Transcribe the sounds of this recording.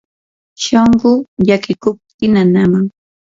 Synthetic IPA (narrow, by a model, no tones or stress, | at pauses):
ʃoɴɢʊʎakɪkʊp̚t̪ɪnanamaŋ